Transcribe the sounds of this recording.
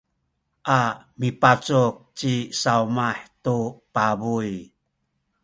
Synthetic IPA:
ʔamipat͡suk̚t͡ɕisaumaħtupabuj

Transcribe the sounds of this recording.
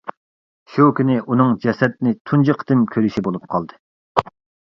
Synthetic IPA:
ʃukʲinɪʔunɨŋd͡ʒɛsɛt̪̚nɪt̪ʰund͡ʒɨqʰt̪ɪmkʲʰøɾyʃibolˠup̚qʰɑlˠd̪ɨ

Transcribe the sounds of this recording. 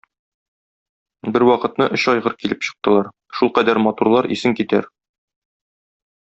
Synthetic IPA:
bɘɾwɒqɤ̆t̪nɤʔɵ̆ɕɒjʁɤɾkilɘpɕɤ̥̆q̚t̪ɤ̆lˠɑɾ | ʃulˠqæd̪æɾmɒt̪uɾlˠɑɾʔḭsɘŋkit̪æɾ

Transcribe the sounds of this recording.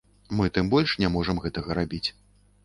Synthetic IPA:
mɨt̪ɨmbɔlʲʂnʲamɔʐɐmɣɛt̪ɐɣɐɾabʲit͡sʲ

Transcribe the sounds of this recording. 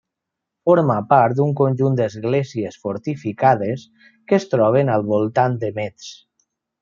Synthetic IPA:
foɾmapaɾt̪̚d̪uŋkonʲʒund̪əzɣleziesfoɾt̪ifikaðes | kəst̪ɾɔβ̞enalˠβolˠt̪and̪əmet̪s

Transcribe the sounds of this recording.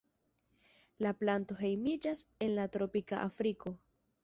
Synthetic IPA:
laplanto̞ɦe̞jmid͡ʒase̞nlatɾo̞pika̰ʔafɾiko̞

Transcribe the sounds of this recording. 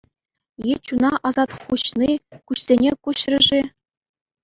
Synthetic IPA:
jet͡ɕunɑʔɑzɑt̪χuɕnikuɕsʲenʲekuɕrʲɘ̆ʐi

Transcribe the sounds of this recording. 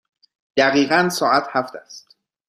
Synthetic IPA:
d̪̥æɣiːɣænsɒːʔæt̪hæft̪ʰæst̪

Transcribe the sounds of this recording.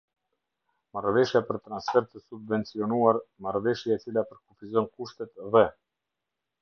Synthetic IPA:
marvɛʃjapəɾt̪ɾansfɛɾt̪əsubvɛnt͡siɔnuaɾmaɾvɛʃjaɛt͡silapəɾkufizɔnkuʃt̪ɛt̪ðɛ

